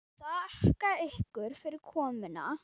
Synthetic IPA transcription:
θaɛhkaehkʏɾ̥fɪɾɪɾ̥kʰɔːmɪna̰

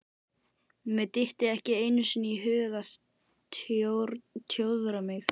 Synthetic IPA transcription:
mɛt̪ɪht̪ɪðɛhcɪeːjnʏsʏniɦʏːɣas | ɾt̪ʰjowðɾamɪx

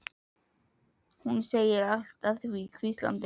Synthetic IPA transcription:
hunseːjɪɾal̥t̪aθvikʰvist̪la̰nt̪ɪ

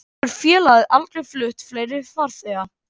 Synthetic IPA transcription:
œɾ̥fjɛːlaðɪʔalt̪ɾɪflʏht̪fleːjɾɪfaɾ̥θɛːɣa

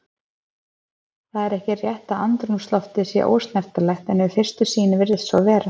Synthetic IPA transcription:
θaðɛɾɛhcɪrjɛht̪aðant̪ɾunst̪lɔft̪ɪðsjɛ̰ʔo̰ːwst̪nɛft̪alɛxt̪ɛnːɛvʏfɪr̥st̪ʏsiːnɪvɪɾðɪðsvɔvɛːɾa

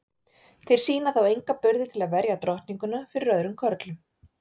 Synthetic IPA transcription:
θejɾ̥siːnaθawejŋkapʏɾðɪt̪ʰɪlaðvɛɾjat̪ɾɔht̪niŋkʏnafɪɾɪɾœðɾʏmkʰœɾt̪lʏm

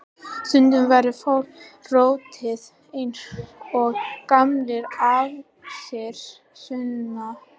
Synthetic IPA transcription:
sʏnt̪ʏmvajɾɪfaːwɾroːwt̪ʰɪð | ejnsɔɣkamlɪɾav | sjɛɾ̥ | sʏnːa

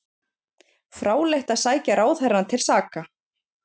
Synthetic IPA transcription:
fɾaːwlejht̪aðsaːjcaɾaːwθɛrːant̪ʰɪlsaːka

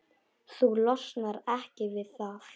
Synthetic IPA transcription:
θulɔsnaɾɛhcɪvɪðθaðf

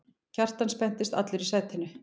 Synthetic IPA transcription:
cʰar̥t̪anspɛn̥t̪ɪst̪a̰t̪lʏɾisɛt̪hɪnːʏ

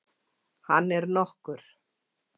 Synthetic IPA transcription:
hanːɛɾnɔhkʏɾ̥

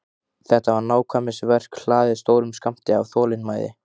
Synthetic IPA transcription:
θɛht̪avaɾnaːwkʰvamɪsvɛr̥kl̥aːðɪðst̪oːwɾʏmskam̥t̪ɪa̰vθɔːlɪnmaːjðɪ̰

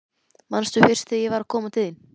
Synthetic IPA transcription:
manst̪vʏfɪr̥st̪θɪjɛvaɾakʰɔːmat̪ʰɪðɪn

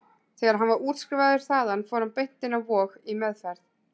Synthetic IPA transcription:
θɛːɣaɾ̥ɦanvaɾuːt̪skɾɪvaðʏɾ̥θaːðanfɔːɾhanpejn̥t̪ɪnavɔːɣimɛðfɛɾð

